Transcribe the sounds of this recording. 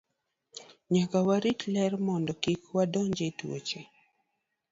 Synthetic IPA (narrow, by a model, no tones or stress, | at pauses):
ɲakawaɾitlɛrmɔndɔkikwadɔɲd͡ʒetwo̰t͡ʃe